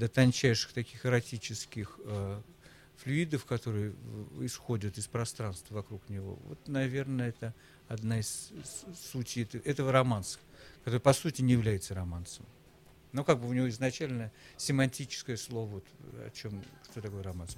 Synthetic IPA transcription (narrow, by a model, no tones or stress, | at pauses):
d̪ət̪ɐnʲt͡ɕæjʂɨ̥xt̪ɐkʲixɨɾɐtʲit͡ɕɪskʲɪxə | flʲʊid̪əfkɐt̪o̞ɾɨjəɪsxo̞dʲət̪ɪspɾɐst̪ɾanst̪vəvɐkɾuknʲɪvo̞̰vo̰t̪nɐvʲe̞rnəɛt̪ə | ɐd̪naɪssːutʲɪjɛt̪əʔɛt̪əvəɾɐmant̪sə̥kɐt̪oɾɨpɐsutʲɪnʲɪjɪvlʲæjɪt̪səɾɐmant̪səm | nokaɡ̚bɨʊnʲɪvoɪznɐt͡ɕælʲnəsʲɪmɐnʲtʲit͡ɕɪ̥skəjəslˠo̞vəvo̞t̪ɐ̰t͡ɕo̞mʂt̪ot̪ɐko̞jɾɐmansm